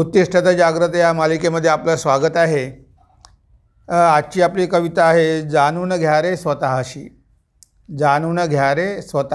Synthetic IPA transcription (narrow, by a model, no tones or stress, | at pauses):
ut̪ːiʂʈʰət̪əd͡ʑaɡɾət̪jamalikeməd̪ʱːjeapləsʋaɡət̪aɦe | at͡ɕiːapliːkəʋit̪aːɦed͡zanunəɡʱjaɾesʋət̪aɦaɕḭː | d͡zanunəɡʱjaɾesʋət̪a